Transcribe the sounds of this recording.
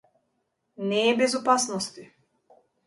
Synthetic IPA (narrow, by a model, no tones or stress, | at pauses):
nɛːbɛzɔpasnɔst̪i